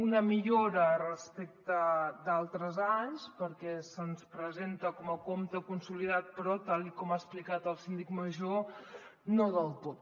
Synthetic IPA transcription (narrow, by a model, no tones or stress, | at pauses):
unəmiʎoɾərəspek̚t̪əd̪alˠt̪ɾəzaɲspəɾkɛsənspɾəzent̪əkɔməkomt̪əkunsuliðat̪̚pɾɔt̪alikɔmaəsplikat̪əlˠsind̪ikməʒo | noðəlˠt̪ot̪̚